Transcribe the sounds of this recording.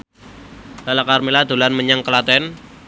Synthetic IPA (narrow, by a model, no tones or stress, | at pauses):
b̥alakarmilad̪ṳlanməɲaŋkəlat̪ɛn